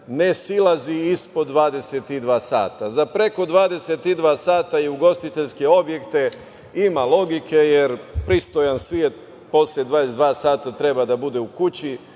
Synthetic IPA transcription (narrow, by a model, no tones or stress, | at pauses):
nesilˠaziispo̞d̪ːʋaːd̪e̞set̪id̪ʋaːsa̰ːt̪azapɾe̞ko̞d̪ʋaːd̪e̞set̪id̪ʋaːsaːt̪ajeuɡo̞st̪it̪e̞ʎske̞o̞bje̞kt̪e̞ | imalˠo̞ɡikʰe̞jeɾpɾist̪o̞jansʋjie̞t̪̚ | po̞sled̪ʋaːd̪esed̪ʋaːsaːt̪at̪ɾe̞bad̪abud̪e̞ukut͡ɕi